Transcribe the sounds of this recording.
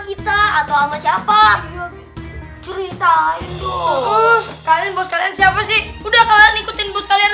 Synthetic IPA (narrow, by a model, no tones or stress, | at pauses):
kit̪aːt̪awamasiapa | t͡ʃəɾit̪aɪnt̪ʊ | kalianbɔskaliansiapasɪhudahkalanikut̪ɪnbɔskalian